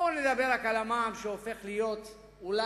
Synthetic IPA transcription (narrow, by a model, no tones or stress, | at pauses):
oned̪abe̞ʁakalamaːmʃeofe̞χlijo̞t̪ | ula